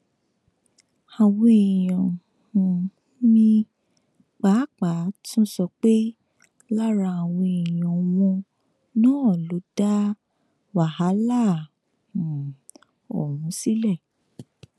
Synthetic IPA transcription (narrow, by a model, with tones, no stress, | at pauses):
a˨wɔ̃˧e˨jɔ̃˨ | ũ˧ | nĩ˧ | k͡pa˨˦k͡pa˨˦tũ˦sɔ˧k͡pe˦ | la˦ɾa˧a˨wɔ̃˧e˨jɔ̃˨w̃ɔ̃˧ | nɔ̃ː˦ɔ˦˨lo˨˦d̥a˦ | wa˨ha˨˦lã˦˨ | ɔ̰˨wũ˨˦si˦lɛ˦˨